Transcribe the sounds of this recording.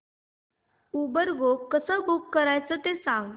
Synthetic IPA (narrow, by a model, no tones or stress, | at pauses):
ubəɾɡokːəsəɡokːəɾajt͡sət̪esãŋɡ